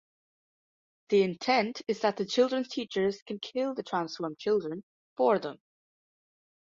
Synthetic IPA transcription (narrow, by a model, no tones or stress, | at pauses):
ðiɪ̃ntʰɛ̃ntʰɪzðəʔ̪̚ðət͡ʃʰɪlˠdɹə̃nz̥tʰit͡ʃə˞z̥kʰə̃nkʰɪlˠðətʰɹ̥ãnsfɔɹmt͡ʃʰɪlˠdɹə̃n | fə˞ðə̃m